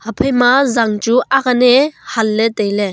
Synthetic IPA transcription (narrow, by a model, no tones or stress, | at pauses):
hapʰejmazaŋt͡ʃuʔakanehalːetejle